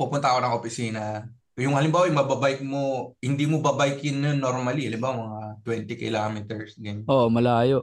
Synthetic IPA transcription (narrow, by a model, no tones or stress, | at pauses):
pupʊnt̪ɐkonɐŋʔopɪsiːnɐ | jʊŋhɐlɪmbaːwɐjmɐbɐbajk̚mohɪnd̪iːmobɐbajkɪnːjonːoɾmɐlihɐlɪmbawɐmɐŋat̪wɛnt̪ɪkɪlaːmɪt̪ɛɹsd̪ɪnʔoʔmɐlaːjoʔ